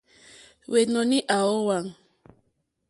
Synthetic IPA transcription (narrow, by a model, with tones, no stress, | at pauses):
we˨nɔ˨ni˦ʔa˨o˦wa˨ŋ